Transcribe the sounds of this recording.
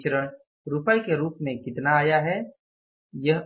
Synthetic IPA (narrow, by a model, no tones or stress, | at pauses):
t͡ʃəɾəɽ̃ | ɾʊpəikeɾuːpmẽkɪt̪naːjaɦɛː | jəɦ